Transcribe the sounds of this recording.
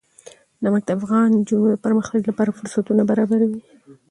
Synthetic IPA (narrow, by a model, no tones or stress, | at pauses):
namak̚d̪aafɣɑnd͡ʒunod̪əpəɾməxt̪aɡlapɑɾafʊɾsat̪unabaɾɑbaɾawi